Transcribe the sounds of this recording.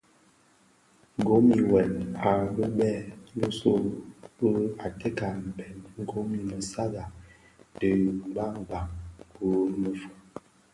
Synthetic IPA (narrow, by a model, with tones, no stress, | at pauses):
ŋ˨ɡo˦mi˨wɛ˨na˨bə˦bɛ˦˨lə˦so˦˨bə˦a˨te˦ka˨m̩˨bɛ˨nŋ̩˦ɡo˨˦mi˨mə˨sa˦ɡa˨ | tə˨˦ɡ͡ba˦ŋ˨ɡ͡ba˨ŋkbo˦mə˨fu̥˨